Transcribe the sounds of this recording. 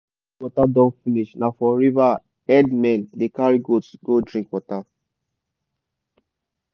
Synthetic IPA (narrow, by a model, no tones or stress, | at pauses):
wɔtadɔ̃nfiniʃnafɔɹiva | ɛdmɛ̃ndekaɹiɡotsɡodɹĩkwɔta